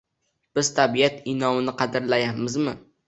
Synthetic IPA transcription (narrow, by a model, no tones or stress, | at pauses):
b̥ɪz̥t̪ʰabijat̪ɪnɒmɪnɪqʰɑd̪ɪɾlajamɪzmɪ